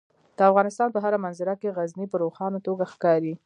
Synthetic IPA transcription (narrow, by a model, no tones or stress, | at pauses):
d̪̥əafɣɑnɪst̪ɑnpəɦaɾamanzɪɾakeɣaznipəɾoxɑnot̪oɡaxkɑɾi